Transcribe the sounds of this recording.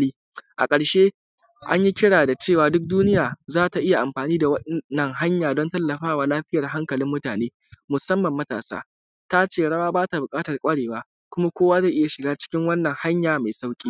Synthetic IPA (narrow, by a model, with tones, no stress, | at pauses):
liː˦ | ʔa̰˨kʼɐ˨ɽʃeː˦ | ʔa˦ɲji˦kʲɪ˦ɽaː˨da˨t͡ʃeː˦˨waː˨dʊ˦k̚duː˦nɪ˦jaː˨zaː˦ta˨ʔɪ˦ja˨ʔa˨mɸaː˨niː˦da˨wɐ˦nɐ˨ŋɦa˦ɲjaː˨dɔ˦ntɐ˦lːɐ˨ɸaː˦waː˨laː˦ɸɪ˦jɐ˨rɦa˦ŋkɐ˨lɪ˦mːʊ˦taː˨neː˦ | mʊ˨sɐ˦mːɐ˨mːɐ˦ta̰ː˨sa̰ː˦ | ta˦t͡ʃeː˦˨ɽɐ˦waː˦baː˦ta˨bʊ˨kʼaː˦tɐ˨rkʷʼɐ˦ɽeː˨waː˦ | kʷʊ˦ma˦kʷoː˦waː˦za˦˨ʔɪ˦ja˨ʃɪ˨ɡaː˦t͡ʃɪ̥˦kʲɪ˦ŋwɐ˦nːɐ˨ŋha˦ɲjaː˨ma˨jsa˦wkʲʼiː˦